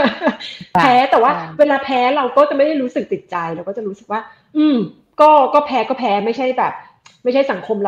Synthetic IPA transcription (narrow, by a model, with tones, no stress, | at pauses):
ɛː˦˥t̪ɛː˨˩waː˥˩weː˧laː˧pʰɛː˦˥ɾa˧wkɔː˥˩t͡ɕa˨˩ma˥˩jda˥˩jɾuː˦˥sɯ˨˩k̚t̪i˨˩t̪̚t͡ɕa˧jɾa˧wkɔː˥˩t͡ɕa˨˩ɾuː˦˥sɯ˨˩k̚waː˥˩ | ʔɯː˧m | kɔː˥˩kɔː˥˩pʰɛː˦˥kɔː˥˩pʰɛː˦˥ma˥˩jt͡ɕʰa˥˩jbɛː˨˩p̚ | ma˥˩jt͡ɕʰa˥˩jsa˩˦ŋkʰo˧mɾa˧